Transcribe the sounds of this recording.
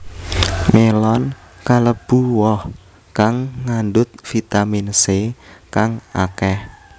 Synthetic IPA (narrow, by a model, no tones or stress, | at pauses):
melɔn | kaləb̥ṳwɔh | kaŋːandʊt̪̚fit̪aminsekaŋa̰kɛh